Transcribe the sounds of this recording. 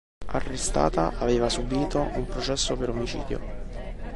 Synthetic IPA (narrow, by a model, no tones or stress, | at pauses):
arːest̪a̰ːt̪aʔaveːvasubiːt̪oʔumpɾot͡ʃɛsːopeɾomit͡ʃḭːd̪jo̰